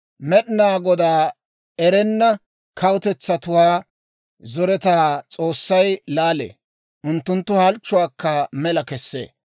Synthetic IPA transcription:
mɛɗɪnaːɡɔd̪aː | ɛɾɛnːɐ | kʰɐwʊt̪ɛt͡sːɐt̪ʊwaː | zɔɾɛt̪aːt͡sʼo̞ːsːɐjlaːlḛː | ʔʊnt̪ːʊnt̪ːʊhɐlt͡ʃːʊwaːkːɐmɛlɐkɛsːḛː

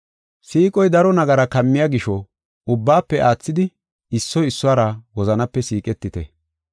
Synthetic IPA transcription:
siːkʼɔjd̪ɐɾɔnɐɡɐɾɐkɐmːɪjaɡɪʃɔ | ʊbːaːpːɛʔaːt͡sːɪd̪ɪ | ɪsːɔjɪsːʊaːɾɐwɔzɐnɐpːɛsiːkʼɛt̪ːɪt̪ɛ

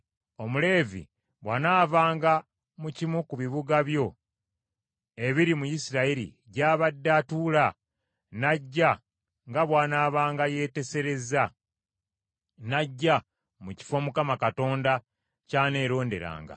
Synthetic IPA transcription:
o̞mule̞ːvḭ | βwanaːvaːŋɡa | mucimukuβiβuɡaβjo̞ | e̞βiɾimujisiɾaiɾḭ | ɟaːβadːatuːla | naɟːa | ŋɡaβwaːnaːβaːŋɡaje̞ːte̞se̞ɾe̞za | naɟːa | muci̥fo̞mukamakato̞ːnda | caːne̞ːɾo̞ːnde̞̰ɾa̰ːŋɡa̰

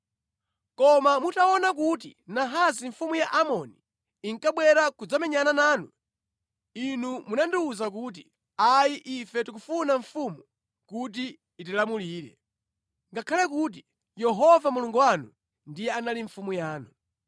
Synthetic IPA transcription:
kɔmamutaɔnak̬ut̬inaɦaziɱfumujaʔamɔni | iŋkaɓwɛɾakud͡zamɛɲananaːnu | inumunandiuzak̬uːt̬i | ajiʔifɛtik̬ufunaɱfumu | kut̬iː | tilamuliːɾɛ̰ | ŋɡakʰalɛkut̬i | jɛɦɔvamuluŋɡuwanu | ndijɛanaliɱfumujaːnu

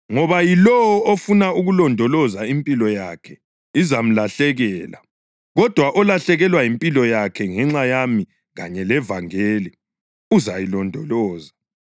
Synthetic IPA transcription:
ŋɔβajilɔwɔofunauɣulɔndʱɔlɔzaimpʼilɔjakʰɛ | izam̩laɬɛɣɛːla̰ | ɣɔd̥ʱwaʔɔlaɬɛɣɛlwajimpʼilɔjakʰɛŋɛŋ͡ǁajami | ɣa̰ɲɛlɛvaŋeːli | uzajilɔndʱɔlɔːza

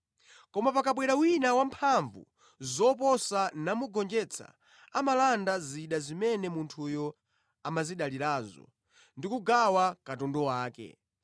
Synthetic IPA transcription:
kɔmapakaɓwɛɾawinawam̩pʰaɱvṵ | zɔp̬ɔsanamuɡɔnd͡ʒɛt͡sʰa̰ | amalandaziɗazimɛnɛmuntʰujɔ | amaziɗaliɾazɔ̰ | ndikuɡawakatɔndɔwaːkɛ̰

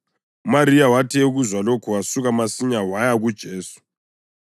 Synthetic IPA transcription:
umaɾijawatʰiuɣuzwalokʰuwasuɣamasiɲawajaɣud̥ʒ̥ʱeːsu̥

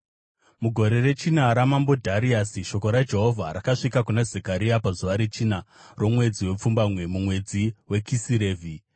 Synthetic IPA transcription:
muɡʱo̞ɾe̞re̞t͡ʃinaɾamambo̞dʱaɾiasiʃo̞ko̞ɾad͡ʒe̞ɦo̞vʱaɾakaʂikakunazekaɾiapazuʋaɾet͡ʃinaro̞mwe̞d͡ziwe̞p͡fumbamwe̞mumwe̞d͡ziwe̞kisiɾe̞ːvʱi

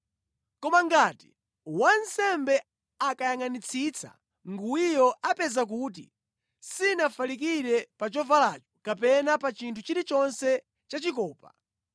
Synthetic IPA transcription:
kɔmaŋɡaːti | wansɛmbɛ | akajaŋanit͡sʰit͡sʰa̰ | ŋɡuijɔapɛzak̬uːt̬ḭ | sinafalik̬iɾɛpat͡ʃɔvalat͡ʃɔ̥kapɛnapat͡ʃintʰut͡ʃiɾit͡ʃɔnsɛ | t͡ʃat͡ʃikɔːpa

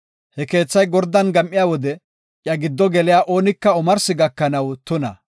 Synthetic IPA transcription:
hɛke̞ːt͡sːɐjɡɔɾd̪ːɐnɡɐmʔɪjaːwɔd̪ɛ | ʔjɐɡɪd̪ːɔɡɛlɪjaːʔo̞ːnɪkːɐɔmɐɾsɪɡɐkːɐnɐwt̪ʊnɐ̰

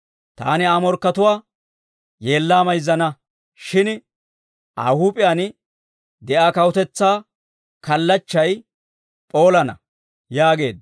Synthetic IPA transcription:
t̪a̰ːnɪaːmɔɾkːɐt̪ʊwaː | je̞ːlːaːmɐjzːɐnɐ | ʃɪn | ʔa̰ːhuːpʼɪjan | d̪ɛʔaːkɐwʊt̪ɛt͡sːaː | kɐlːɐt͡ʃːɐj | pʼo̞ːlɐnɐ | jaːɡe̞ːd̪

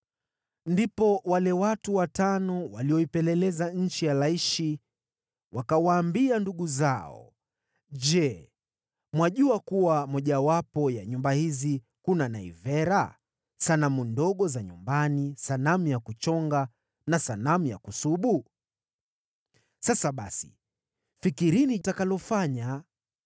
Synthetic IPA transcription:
ndipɔwalɛwatuwatanɔwaliɔipɛlɛlɛzaɲ̩t͡ʃijalaiʃi | wakawaːmbianduɠuzaɔ̰ | d͡ʒɛ | mwaʄuakuwamɔʄawapɔjaɲumbahizi | kunanaḭvɛɾa | sanamundɔɠɔzaɲumbanisanamjakut͡ʃɔŋɡa | nasanamuja̰kusuɓu | sasaɓa̰si̥̰ | fikiɾiniːtakalɔfaɲa

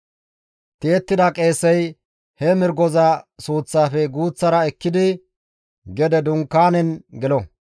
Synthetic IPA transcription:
t̪eːt̪ːɪd̪ɐkʼe̞ːsːɛj | hɛmɪɾɡɔzɐsuːt͡sːaːfɛɡuːt͡sːɐɾɐɛkːɪd̪ɪ | ɡɛd̪ɛd̪ʊŋkːaːnɛnɡɛlɔ

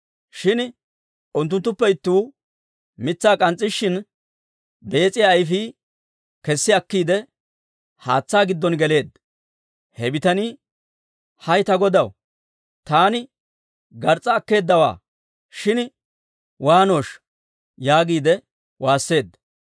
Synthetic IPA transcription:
ʃɪn | ʔʊnt̪ːʊnt̪ːʊpːɛɪt̪ːuː | mɪt͡sːaːkʼɐnt͡sʼːɪʃːɪn | be̞ːt͡sʼːɪjaːjfiː | kɛsːɪɐkːiːd̪ɛ | haːt͡sːaːɡɪd̪ːɔnɡɛle̞ːd̪ | hɛbɪt̪ɐni | hɐjt̪ɐɡɔd̪ɐw | t̪aːnɪ | ɡɐɾt͡sʼːɐːkːe̞ːd̪ːɐwa̰ː | ʃɪn | waːno̞ːʃ | jaːɡiːd̪ɛ | waːsːe̞ːd̪ːɐ

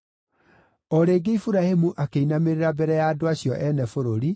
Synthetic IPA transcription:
ɔɾeːɡeifuɾahemuʔakeinameɾeɾabɛɾɛjaːdoaɕjɔʔɛnɛfoɾoɾi

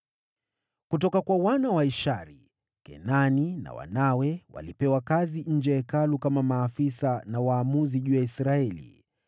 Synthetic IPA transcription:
kutɔkakwawanawaiʃaɾi | kɛ̰nanina̰wa̰nawɛwa̰lipɛwakaziɲ̩d͡ʒɛɛkalukamamaːfisanawaːmuziʄuːjaisɾaɛlḭ

